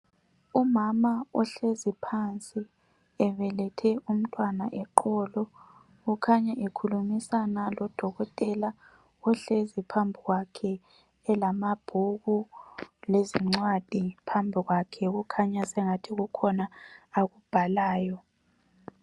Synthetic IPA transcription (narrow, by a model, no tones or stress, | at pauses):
umamaɔɬezipʰant͡sʼi | ɛβɛlɛtʰɛum̩tʼwanaʔɛǃʰɔːlɔ | ɣukʰaɲaʔekʰulumisanalɔd̥ʱɔɣɔtʼɛla | ɔɬezipʰambʱiɣwakʰɛː | lamab̥ʱuɣuleziŋ͡ǀwad̥ʱipʰambʱiɣwakʰɛɣukʰaɲasɛŋatʰiɣukʰɔnaːɣub̥ʱalaːjɔ